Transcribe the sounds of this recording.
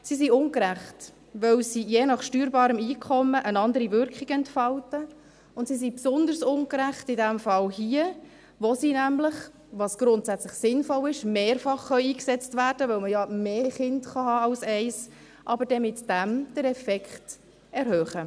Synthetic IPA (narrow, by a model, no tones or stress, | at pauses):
sisiʊnkɾæχt | ʋœwsijeːnɑχʃtyːɾbɑːɾəmiːkʰɔməʔənɑnd̪əɾivʏɾkʰχiɡɛntfɑltə | ʊntsis̬ipsʊnd̪ərsʊŋkɾæχtɪdæmfɑlhiə | ʋosiːnæmləχ | ʋɑsɡ̥ɾʊntsæt͡sləχsɪnfɔlɪʃmeːrfɑχːœʏiːksɛt͡stvæːɾd̥əʋœwməjɑmeːχɪndχɑhɑːɑʊsɛɪs | ʔɑbəɾd̥ɛmɪtd̥æmd̥əɾɛfɛkχt | ɛɾhœːχə